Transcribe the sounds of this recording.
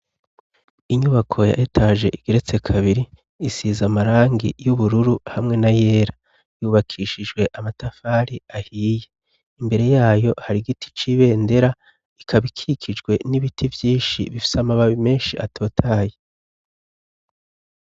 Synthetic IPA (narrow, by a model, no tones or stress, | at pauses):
iɲuβakʰo̞ja̰ʔetʰaʒe̞̰ʔiɡ̥e̞ɾet͡se̞kʰaβiɾi | isiːzamaɾaːŋɡḭjuβuɾuɾuhamŋe̞naje̞ːɾa | juːβakʰiʃid͡ʒɡwe̞ʔamatafaːɾiahiːje | imbe̞ɾe̞jaːjo̞haɾiɡitʰi̥t͡ʃiβe̞ːnde̞ɾa | ikʰaβikʰikʰid͡ʒɡwe̞niβitʰivjiːnʃiβifi̥samaβaβime̞ːnʃiʔatʰo̞ːtʰaːje